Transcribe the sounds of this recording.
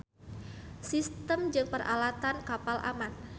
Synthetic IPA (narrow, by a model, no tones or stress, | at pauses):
sist̪əmd͡ʒɨŋpərʔa̰lat̪ankapalʔa̰man